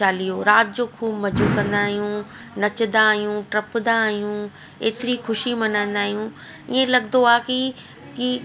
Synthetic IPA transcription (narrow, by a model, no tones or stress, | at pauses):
aːlijoɾaːt̪̚d͡ʑoːkʰuːbmɐd͡ʑuːkɐ̃nd̪aːɦijũ | nɐt͡ɕd̪aːɦijũʈɾɐpd̪aːɦijũ | ḛːt̪ɪɾixʊʃimɐnãːnd̪aːɦijũ | iẽlɐɡd̪oaːki | ki